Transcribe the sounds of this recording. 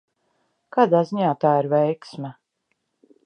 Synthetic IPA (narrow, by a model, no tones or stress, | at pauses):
kaːd̪aːziɲaːt̪aːiɾvʲɛjksma